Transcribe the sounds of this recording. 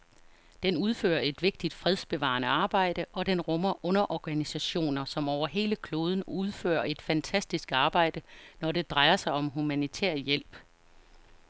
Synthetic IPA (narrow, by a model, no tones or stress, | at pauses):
d̥enuð̞ˠfø̰ːɐe̝d̥ʋe̝ɡ̥̚d̥id̥fʁɛð̞ˠsb̥e̝ʋɑ̰̈ːnəɑ̈ːb̥ɑ̈ɪ̰d̥əʔɒ̽d̥enʁɔmɐʔɔ̽nɐʔɒɡ̥ænisæɕo̝̰ːnɐsɒ̽mɒʊɐɦe̝ːləkʰlo̝ːð̞ˠn̩uð̞ˠfø̰ːɐe̝d̥fænt͡sʰæsd̥isɡ̥ɑ̈ːb̥ɑ̈ɪ̰d̥ənɒde̝d̥ʁɑ̈ɪɐsɑ̈ɪɒ̽mɦumænit͡sʰḛːɐ̰jel̰b̥